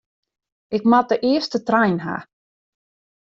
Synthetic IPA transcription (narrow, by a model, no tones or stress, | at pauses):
ʔɪkmat̚əʔɪəstətrajnɦa̰